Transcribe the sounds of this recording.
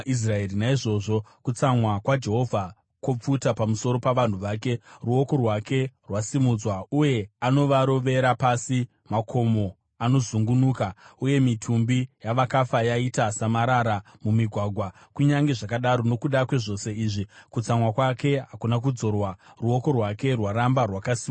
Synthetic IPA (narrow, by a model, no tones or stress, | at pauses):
is̬raerinaiʐo̞ʐo̞kut͡samwakwad͡ʒe̞ɦo̞vʱa | ko̞p͡futapamuso̞ɾo̞paʋan̤uʋaːk̬e̞ruo̞ko̞rwake̞rwasimud͡zwauje̞ano̞ʋaɾo̞ʋe̞ɾapasi | makʰomo̞ | ano̞zuŋɡunuːkauje̞mitʰumbijaʋakafajaitasamaɾaɾa | mumiɡʱwaɡʱwa | kuɲaŋɡe̞ʐakaɗaɾo̞no̞kuɗakwe̞ʐo̞se̞iːʐikut͡samwakwake̞ɦakunak̬ud͡zo̞rwaruo̞ko̞rwake̞rwaɾambarwakasim